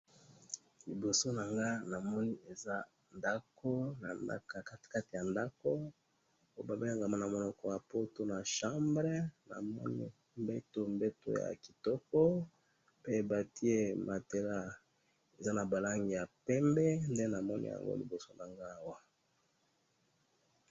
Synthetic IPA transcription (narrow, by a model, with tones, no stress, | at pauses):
li˨bo˨so˦na˨ŋɡa˦na˨mɔ˦ni˦e˨za˦ | nda˦ko˦na˨nda̰˦ka˨ka˦tka˦ti˨ja˨nda˦ko˦ | o˦ba˨be˦a˨ŋɡa˨ma˦na˨mo˨nɔ˨kɔ˦ja˨po˦to˦na˨ʃã˦mbʁe˦na̰˨mɔ̰˦nḭ˦ | mbe˦to˨mbe˦to̰˦ja̰˨ki̥˨tɔ˦kɔ˦ | pe˦e˨ba˨ti˦e˦ma˨te˦la˦ | e˨za˦na˨ba˨la˦ŋɡi˨ja˨pɛ˦mbɛ˦nde˦na˨mɔ˦nḭ˦ja̰˨ŋɡo̰˦lḭ˨bo˨so˦na˨ŋɡa˦˨wa˦